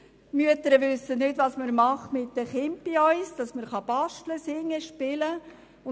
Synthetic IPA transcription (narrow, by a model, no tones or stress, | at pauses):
myətəɾəʋʏsːənɪtʋɑsməɾmɑχtmɪtdəχɪmpiɔʏsd̥ɑsməɾχɑb̥ɑʃtləsɪŋːəʃpɪlə | ʊ